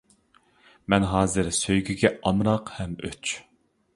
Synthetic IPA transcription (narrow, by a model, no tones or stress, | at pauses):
mɛnɦɑːzɨɾsøjɡʲyɡʲɛɑmɾɑqhɛmø̰t͡ʃ